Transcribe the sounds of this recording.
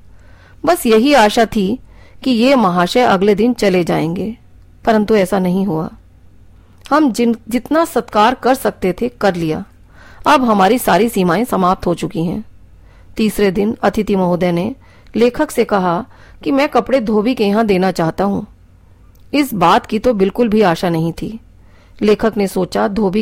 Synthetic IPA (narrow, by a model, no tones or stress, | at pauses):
bɐsjɐɦiaːʃat̪ʰikijemɐɦaːʃɛʔɐ̰ɡled̪ɪnt͡ʃɐled͡ʒa̰ːẽːŋɡeː | pɐɾə̃nt̪uɛːsanɐɦĩɦua̰ː | hɐmd͡ʒɪt̪nasɐt̪kaːɾkɐɾsɐk̚t̪et̪ʰekɐɾlija̰ː | ɐbɦɐmaːɾisaːɾisiːmaːẽsɐmaːp̚t̪ɦot͡ʃʊkiɦɛ̰̃ː | t̪iːsɾed̪ɪnɐt̪ʰɪt̪imɐɦoːd̪ɛne | leːkʰəksekɐɦa | kimɛ̃ːkɐpɽed̪ʱoːbikejɐɦãd̪eːnat͡ʃaːɦt̪aɦũː | ɪsbaːt̪kit̪obɪlkʊlbʱiaːʃanɐɦĩt̪ʰḭː | leːkʰəknesoːt͡ʃad̪ʱoːbi